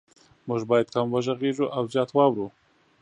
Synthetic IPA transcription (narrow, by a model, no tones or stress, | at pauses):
mʊʒbɑjad̪̚kamwaʒaɣeʒuʔawzjɑt̪wɑwɾu